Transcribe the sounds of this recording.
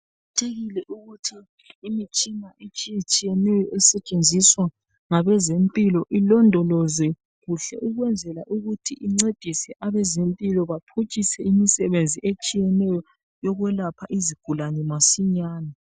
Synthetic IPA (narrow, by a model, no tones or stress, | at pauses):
tʰeɣilɛʔuɣutʰiː | mit͡ʃʼinaʔet͡ʃʼijet͡ʃʼijɛnɛjɔʔɛsɛt͡ʃʼend͡zʱiswa | ŋaβɛzempʼilɔʔilɔndʱɔlɔzɛ | ɣuɬɛ̰ʔuɣwɛnd͡zʱɛlaʔuɣutʰiʔiŋ͡ǀed̥ʱisɛʔaβɛzempʼilɔβapʰut͡ʃʼisɛimisɛβend͡zʱiʔet͡ʃʼijɛnɛjɔ | jɔɣwɛlapʰaʔiziɡ̥ʱulanɛmasiɲaːna